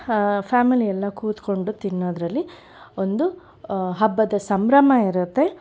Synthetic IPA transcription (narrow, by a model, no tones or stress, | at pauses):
pʰaːmilijɛlːɐkuːt̪ko̞ɳɖut̪inːoːd̪ɾɐlːi | o̞nd̪u | ɦɐbːɐd̪ɐsɐmbɾɐmɐiɾut̪ːe̞